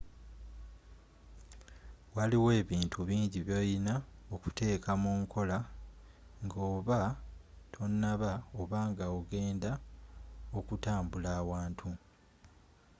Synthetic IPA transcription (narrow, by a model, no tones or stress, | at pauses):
waliwe̞ːβiːntʰuβiːɲɟiβjo̞jinao̞ku̥te̞ːkamuːŋkʰo̞la | ŋɡoːβa | tʰo̞nːaβaoβaːŋɡaoɡe̞ːnda | o̞kutaːmbulaːwaːntʰu